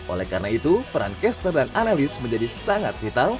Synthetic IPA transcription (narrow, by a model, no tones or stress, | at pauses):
ʔo̰lɛ̰hkaɾənait̪upəɾa̰nkɛst̪ərdananalɪsməɲd͡ʒadisaŋa̰t̪̚fit̪al